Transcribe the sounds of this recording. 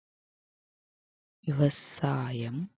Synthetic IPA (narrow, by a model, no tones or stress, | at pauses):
ʋiʋɐsaːjɐm